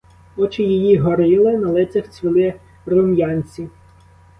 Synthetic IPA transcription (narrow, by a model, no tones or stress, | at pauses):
ɔt͡ʃɪjijiɦɔɾɪlˠɪnɐlˠɪt͡sʲɐxt͡sʲʋʲɪlˠɪ | rɔmjɑnʲt͡sʲi